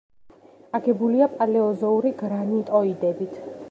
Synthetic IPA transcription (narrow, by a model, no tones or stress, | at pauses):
aɡɛbuliapʼalɛɔzɔuɾiɡɾanit̪ʼɔid̪ɛbit̪ʰ